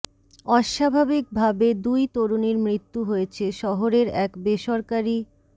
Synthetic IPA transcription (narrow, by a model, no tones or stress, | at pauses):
ɔʃabʱabik̚bʱabed̪ujt̪oɾoniɾmɾit̪ːuɦoet͡ɕʰeʃɔɦoɾeɾɛkbeʃoɾkaɾi